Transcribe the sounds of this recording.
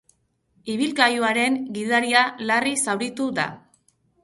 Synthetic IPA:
iβ̞ilɡajuaɾe̞ŋɡiðaɾialarisawɾit̪ud̪a̰

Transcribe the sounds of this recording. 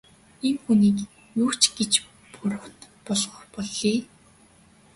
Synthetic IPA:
enxuniːk | juːkt͡ɕɡet͡ɕ | pʊɾə̆wt̪ | pɔɮʁɔːrpɔɮːiː

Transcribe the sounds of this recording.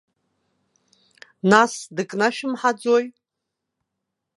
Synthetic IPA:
nasdɨkʼnaʃɪmħad͡zoj

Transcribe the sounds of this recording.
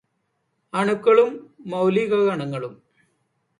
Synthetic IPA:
ɐɳukːɐɭumːɐwliːɣɐɡɐɳɐŋːɐɭum

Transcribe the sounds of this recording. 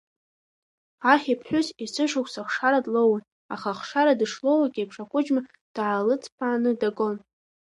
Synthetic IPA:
aχʲipʰħʷᶣʊzisɨʂʊkʷʼsaχʂaɾadlowan | a̰χaχʂaɾadɨʂlowakʲʼepʰʂakʷʼʊd͡ʒma | d̥aʕalɨt͡sʰʼpʰaːnɨdaɡʼo̞n

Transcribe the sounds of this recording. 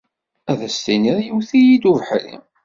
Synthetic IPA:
æðəst̪iniɾjiwθijid̪uvħlḭ

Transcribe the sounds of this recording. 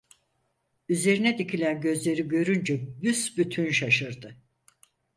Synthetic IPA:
yze̞ɾinɛd̪icʰilʲænɟø̞zlʲe̞ɾiɟø̞ɾynd͡ʒɛbysbyt̪ʰynʃaʃɯɾd̪ɯ

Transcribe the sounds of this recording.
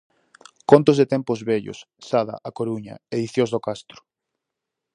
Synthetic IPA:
kont̪ozðet̪ɛmpozβɛʎʊ̰sːaðɐ̰ʔakoɾuɲɐ̰eðiθjõzðokast̪ɾʊ̥

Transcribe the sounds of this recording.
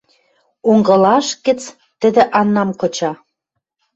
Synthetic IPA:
oŋɡɤ̆lɑʃkɘ̆t͡s | t̪ə̆d̪ĕʔɑnːɑmkŏt͡ɕɑ

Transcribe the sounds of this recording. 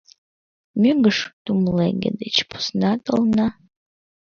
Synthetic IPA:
myɡɨʂd̥umlḛɡʲɪ̰dɨt͡ʃʰpʰʊ̥snatʼɨlna

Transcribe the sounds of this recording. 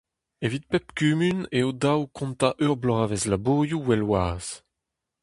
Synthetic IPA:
evit̪̚pɛpkymyneod̪awkʰɔ̃nt̪aʔøʁblɔʁavɛzlaboːjuwɛlwaːz̥

